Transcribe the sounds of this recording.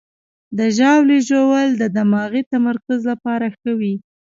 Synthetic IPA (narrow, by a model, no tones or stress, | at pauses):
d̪əʒɑwliʒowəld̪əd̪amɑɣit̪amaɾkʊzlapɑɾaxawi